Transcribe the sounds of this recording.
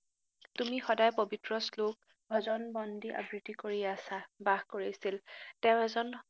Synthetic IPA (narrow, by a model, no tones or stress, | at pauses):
tumixɔdajpobitɹɔslok | bʱɔzɔnbɔndiʔa̰ɡɹitikoɹiasabaɦkoɹisiltɛʊ̃ɛzɔn